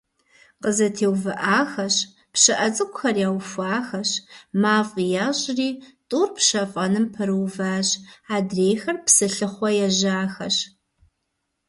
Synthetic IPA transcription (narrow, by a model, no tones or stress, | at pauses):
qəzɐtʰeːwvɐʔaːxɐɕ | pɕɨʔɐt͡sʼɨkʷʼʊxɐrjaːwfʷaːxɐɕmaːfʼjaːɕʼriːtʼuːrpʰʃɐfʼɐnɨmpʰɨɾɨwvaːɕaːdreːjxɐrpsɨɬɨχʷɔjɛʒaːxɐɕ